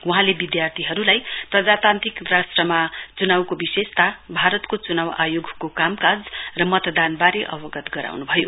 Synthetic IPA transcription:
wuɦãlebid̪jart̪ʰiɦʌɾulajprʌd͡zat̪ant̪rikrasʈrʌmat͡sunawkobisest̪abʱaɾʌt̪kot͡sunawa̰joɡʱkokamkad͡zrʌmʌt̪d̪anbaɾeʔʌbʌɡʌt̪ɡʌɾa̰wnubʱʌjo

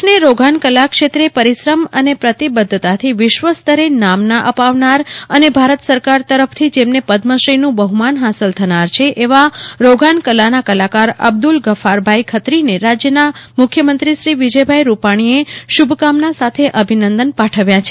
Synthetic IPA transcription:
neɾoɡʱankəlakʃet̪ɾepəɾisɾəmə̰nepɾət̪ibəd̪ʱːt̪at̪ʰiʋɪʃʋəst̪əɾenamnaʔəpaʋnaɾənebʱaɾət̪səɾkaɾt̪əɾəpʰt̪ʰid͡ʒemnepəd̪məʃɾinũbəɦumanɦasəlt̪ʰənaɾt͡ʃʰeʔeʋaɾoɡʱankəlanakəlakaɾə̰b̚d̪ulɡəfaɾbʱajkʰət̪ɾineɾad͡ʒjənamʊkʰjəmənt̪ɾiʃɾiʋid͡ʒəjbʱajɾupaɽ̃ieʃubʱkamnasat̪ʰeʔəbʱinənd̪ənpaʈʰəʋjat͡ʃʰe

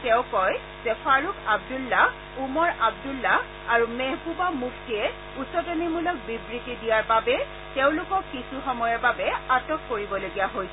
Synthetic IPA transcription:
tɛʊ̃kɔj | zɛpʰaɹukʰab̚dulːa | umɔɹab̚dulːa | aɹumeɦbubamukʰtiɛ | usɔtɔnimulɔk̚bibɹitidijaɹbabɛ | teʊ̃lʊkɔkːisuxɔmɔjɔɹbabɛatɔkːoɹibɔloɡijaɦojsɛ

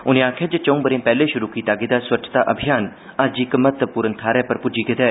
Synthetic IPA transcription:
ʊnẽãːkʰeːd͡ʒet͡ʃɐ̃ũːbəɾẽːpɛːleːʃʊɾuːkiːt̪aːɡiːd̪aːswət͡ʃt̪aːʔəbʱijaːn | əd͡ʒikmət̪puːɾənt̪ʰaːɾɛːpəɾpʊd͡ʒiːked̪ɛː

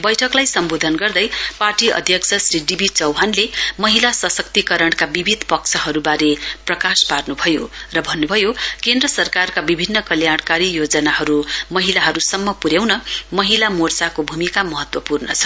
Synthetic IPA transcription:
bʌjʈʰʌklajsʌmbod̪ʱʌnɡʌrd̪ʌjparʈiʌ̰d̪ʱjʌk̚t͡sʰʌsriɖibʱit͡sʌwɦanlemʌɦilasʌsʌkt̪ikʌɾʌɳkabibʱid̪ʱpʌk̚t͡sʰʌɦʌɾubaɾeprʌkasparnubʱʌjorʌbʱʌnːubʱʌjokend̪rʌsʌrkarkabibʱinːʌkʌljaɽkaɾijod͡zʌnaɦʌɾumʌɦilaɦʌɾusʌmːʌpuɾjawnʌmʌɦilamort͡sakobʱumikamʌɦʌt̪wʌpurnʌ̰t͡sʰʌ̥

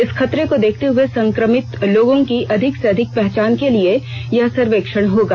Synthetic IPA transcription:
ɪsxʰɐt̪ɾekod̪eːkʰt̪eɦʊesɐ̃ŋkɾəmɪt̪loːɡõkiʔɐd̪ʱɪkseɐd̪ʱɪk̚pɛɦt͡ʃaːnkeliejɐɦsɐɾʋeːkʃəɽ̃ɦoːɡaː

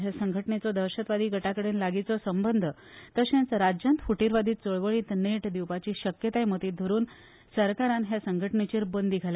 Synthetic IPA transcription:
ɦjasəŋɡʱəʈɳet͡sɔd̪əɾɕət̪ʋad̪iːɡʱəʈakəɽeːnlaɡit͡sɔsəmbənd̪ʱə | t̪əɕẽnt͡sɾad͡ʑjant̪fuʈiɾʋad̪ʱiːt͡soɭʋəɭiːt̪neʈd̪iwpat͡ɕiːɕəkjət̪ajmət̪iːd̪ʱəɾuːn | səɾkaɾanɦjasəŋɡʱəʈɳet͡ɕiːɾbənd̪ʱiɡʱala

